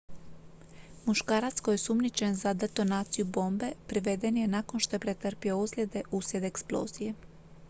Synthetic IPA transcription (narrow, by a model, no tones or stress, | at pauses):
muʃkaːɾat̪sko̞jesumnit͡ʃe̞nzad̪e̞t̪o̞naːt̪sijubo̞ːmbe̞pɾiʋe̞d̪e̞nje̞nako̞nʃt̪o̞je̞pɾe̞t̪r̩pio̞uslʲed̪e̞ʔusjʲe̞d̪eksplˠo̞̰ːzije̞